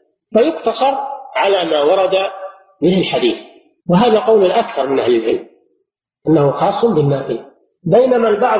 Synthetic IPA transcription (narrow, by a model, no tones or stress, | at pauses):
fajʊqt̪ɑsˤɑɾˤʕalaːmaːwɑɾˤɑd̪a | mɪnalħad̪iːθ | wɪɦaːðaqɑwlʊlʔakθɑɾˤmɪnʔahlɪlʕɪlm | ʔanːahuxɑːsˤːʊnbɪnːaːfɪl | bajnamalbɑʕ